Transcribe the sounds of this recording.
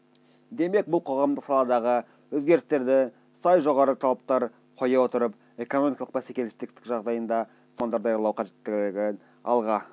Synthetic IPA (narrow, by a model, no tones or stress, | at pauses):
d̪e̞me̞k̚bʊlˠqʰo̞ʁɑmd̪əqsɑlˠɑd̪ɑʁə | wɵzɡʲe̞ɾɪst̪e̞ɾd̪ɪ | sɑjʒo̞ʁɑɾət̪ʰɑlˠɑp̚t̪ɑɾ | qʰo̞jɑwo̞t̪əɾəp | e̞ko̞no̞mikɑlˠəq̚bæsekʲelɪst̪ɪk̚t̪ɪkʒɑʁd̪ɑjənd̪ɑ | smɑnd̪ɑɾd̪ɑjɑɾlˠɑwqʰɑʒe̞t̪ːɪɡʲɡʲɪ | ɑ̰lˠʁɑ